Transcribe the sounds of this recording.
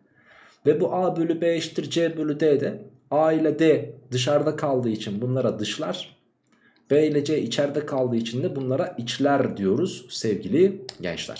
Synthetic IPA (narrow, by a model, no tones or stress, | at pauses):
vɛbuʔaːbølʲybɛjʃt̪ʰiɾd͡ʒɛːbølʲyd̪eːd̪ɛ | aːilʲɛd̪ɛd̪ɯʃ̬aɾd̪akʰalˠd̪ɯːit͡ʃʰinbunlˠaɾad̪ɯʃlˠaɾ̥ | b̥ɛːlʲɛd͡ʒɛit͡ʃʰɛɾd̪ɛkʰalˠd̪ɯːit͡ʃʰind̪ɛbunlˠaɾaʔit͡ʃlʲæɾd̪ijo̞ɾuz̥sɛvɟilʲiɟɛ̰nt͡ʃlʲæ̰ɾ̥